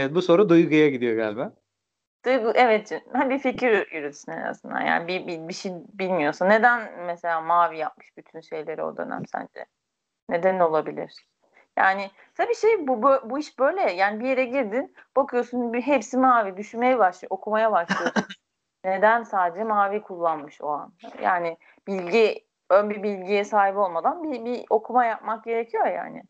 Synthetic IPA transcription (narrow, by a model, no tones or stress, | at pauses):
evɛt̪̚buso̞ɾad̪ujɡujaɟid̪ijo̞ɡalʲbaː | d̪̥ujɡuʔɛvɛt̪d͡ʒinmænbificʰiɾjyɾyt̪ʰysynḛɾa̰zɯnd̪a̰ja̰ːnibibibiʃijbilʲmijo̞sunːe̞d̪ænmeselʲaːmaːvijap̚mɯ̥ʃbyt̪ʰynʃe̞jlʲe̞ɾio̰d̪ø̰næ̰msæ̰nd͡ʒɛ̰ | ne̞d̪ænɛo̞lˠabilʲḭɾ̥ | ja̰ːnɪ | t̪ʰabiːʃejbubøbuiʃbø̞jlʲɛjaːnibije̞ɾɛɟiɾd̪inb̥akʰɯjo̞sunbiɦepsimaːvid̪yʃynme̞jɛbaʃlˠo̞kʰumajabaʃlˠɯjosu | ne̞d̪ænsaːd̪ed͡ʒɛmaːvikʰulˠːanmɯʃo̞̰a̰na̰ja̰ːnɪ | b̥ilʲɟi | ønbibilʲɟijɛsaːɦibo̞lˠmad̪anbibio̞kʰumajap̚mak̚ɟe̞ɾecʰijoja̰ːnɪ̰